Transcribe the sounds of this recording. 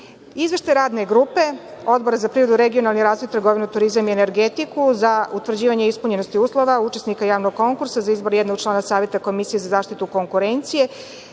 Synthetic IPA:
izʋe̞ʃt̪ajɾaːd̪neɡɾupe̞o̞d̪bo̞ɾazapɾiːɾod̪uɾeɡio̞nalˠniɾaːzʋojt̪r̩ɡo̞ʋinut̪uɾizamieneɾɡet̪ikuzaut̪ʋr̩d͡ʑiːʋaɲeispuɲe̞no̞st̪iuːslˠo̞ʋaut͡ʃesnikajaːʋnoɡ̚ko̞ŋkuɾsazaizbo̞ɾjed̪no̞ɡ̚t͡ʃlˠaːnasaːʋje̞t̪ako̞misijezazaːʃt̪it̪uko̞ŋkuɾent̪sije̞

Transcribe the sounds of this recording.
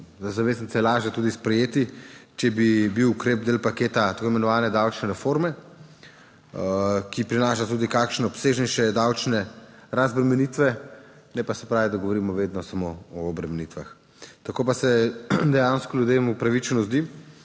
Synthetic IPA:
zzaʋeːznisɛlaːʒjɛt̪uːd̪ispɾɛjeːt̪it͡ʃɛbibiwukɾeːb̚d̪eːlpakeːt̪at̪ḁkoimɛnɔʋaːnɛd̪awt͡ʃnɛɾɛfoɾmɛ | kipɾinaːʃat̪uːd̪ikakʃnɛɔpseːʒnɛjʃɛd̪awt͡ʃnɛɾazbɾɛmɛnit̪ʋɛ | nɛpasɛpɾaːʋid̪ɐɡoʋɔɾiːmɔʋeːd̪nɔsamoɔːbɾɛmɛnit̪ʋa̰x | t̪akoːpasɛd̪ɛjaːnskɔljud̪emupɾaʋit͡ʃɛnɔzd̪i

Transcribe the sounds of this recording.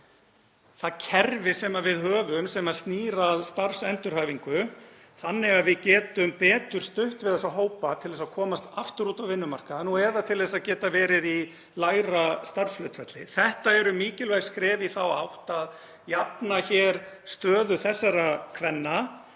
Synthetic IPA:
θaðcʰɛɾvɪsɛmavɪðɦœːvʏmsɛmast̪niːɾaðst̪arfsɛnt̪ʏɾ̥haːjviŋkʏ | θanːɪɣaðvɪðcɛːt̪ʏmpɛːt̪ʏɾ̥st̪ʏht̪vɪðɛsaɦoːwpat̪ʰɪlðɛsakʰɔːmast̪aft̪ʏɾuːt̪awvɪnːʏmar̥kanuɛɾðat̪ʰɪlðɛs̬aðcɛːt̪avɛːɾɪði | laːjɾast̪ar̥sflœt̪fɛt̪lɪ̰θɛht̪aɛɾʏmiːcɪlvajɣskɾɛːviθawa̰wht̪að | japnaçɛːɾ̥st̪œːðʏθɛsːaɾakʰvɛnːa

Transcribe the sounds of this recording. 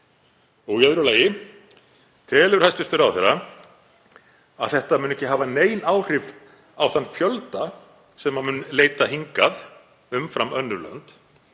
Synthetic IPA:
ɔɣjœðɾʏlaːjɪ | t̪ʰɛːlʏɾ̥hajst̪vɪst̪ʏɾawθɛɾa | aðθɛht̪amʏnɛhcɪɦaːvaneːjnaːwr̥ɪv | awθanːfjœlt̪a | sɛmːamʏnleːjt̪aɦiŋkað | ʏmfɾamœnːʏɾlœ̰nt̪

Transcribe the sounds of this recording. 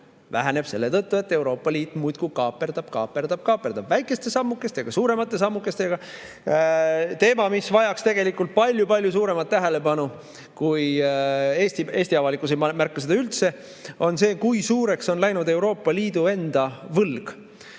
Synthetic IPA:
væ̰ɦæne̞b̥se̞lːe̞t̪ɤt̪ːue̞t̪ːe̞wɾo̞ːpːˑɑliːt̪ːˑmujt̪kukɑːpːˑe̞rd̪̥ɑb̥kɑ̰ːpe̞rd̪̥ɑb̥̚kɑːpːˑeɾd̪ɑb̥væjkːˑe̞st̪e̞sɑmːukːˑe̞st̪ejɑɡ̥ɑsuːɾe̞mɑt̪ːˑe̞s̬ɑmːukːˑe̞st̪ejɡ̥ɑ | t̪e̞ːmɑmisvɑjɑkst̪e̞ɡ̥e̞likːult̪̚pɑlʲjupɑlʲjusuːɾe̞mɑt̪ːæɦe̞le̞pɑnu | kuj | eːst̪ie̞ːsʲt̪iɑvɑlikˑusemɑmærkːus̬ed̪ɑylt̪se̞ | o̞nse̞ːkujsuːɾe̞kso̞nlæjnud̪e̞wɾo̞ːpːˑɑliːd̪̥ue̞nd̪̥ɑvɤlɡ̥

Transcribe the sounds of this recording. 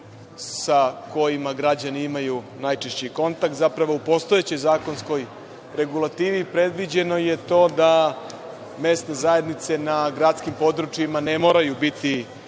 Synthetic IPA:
sako̞jimaɡɾad͡ʑaniimaju | najt͡ʃeʃt͡ɕiko̞nt̪ak̚t̪zapɾaʋo̞upo̞st̪ojet͡ɕo̞jzaːko̞nsko̞j | ɾe̞ɡulˠat̪iːʋipɾe̞d̪ʋid͡ʑe̞no̞je̞t̪o̞ːd̪a | me̞ːst̪nezaje̞d̪nit̪se̞naɡɾat̪skimpo̞d̪ɾut͡ʃjimane̞mo̞ːɾajubit̪i

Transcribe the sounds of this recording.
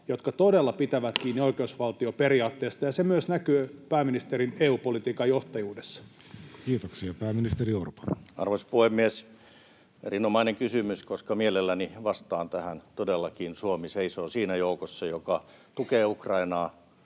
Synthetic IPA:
jot̪kɑt̪odelːɑpit̪æʋæt̪kiːnːioikeusʋɑlt̪ioperiɑːt̪ːeːst̪ɑjɑsemyøsnækøːpæːminist̪erineːuːpolit̪iːkɑjjoht̪ɑjuːdesːɑ̥ | kiːt̪oksiɑpæːmːinist̪erioropo̥nɑ̰rʋospuhemːies | ḛrinomɑineŋkysymyskoskɑmielelːæniʋɑst̪ɑːnt̪æhænt̪odelːɑkinsuomiseisoːsiːnæjoukosːɑjokɑ | t̪ukeːukrɑinɑː

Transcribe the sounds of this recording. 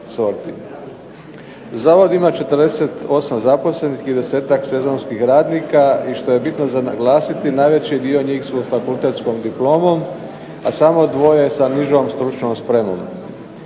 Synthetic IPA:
so̞ɾt̪i | zaːʋo̞d̪imat͡ʃe̞t̪əɾd̪ese̞t̪o̞sazapo̞sle̞nixid̪e̞se̞ːt̪akse̞zo̞nskixɾaːd̪niːkaiʃt̪o̞je̞bit̪nozanaɡlˠaːsit̪inaːjʋe̞t͡ɕied̪io̞ɲiːxsufakulˠt̪e̞t̪skomd̪iplˠo̞ːmo̞m | asamo̞d̪ʋo̞jesaniʒoːmst̪ɾut͡ʃnomspɾemo̰m

